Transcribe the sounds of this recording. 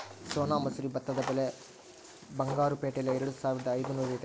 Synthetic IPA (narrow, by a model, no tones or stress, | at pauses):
soːnaːmɐsuɾibɐt̪ːɐd̪ɐpɐle | bɐŋɡaːɾupeːʈelɐeɾuɽusaːʋiɾɐd̪ɐːjd̪unuːɾɐjt̪e